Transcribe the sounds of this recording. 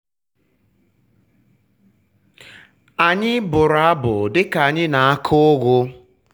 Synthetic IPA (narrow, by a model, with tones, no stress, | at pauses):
a˨ɲɪ˦bʊ˨ɾa˦bʊ̰˨dɪ˦ka˨ɲɪ˦na˨a˦kʰʊ˦ɣʷʊ˦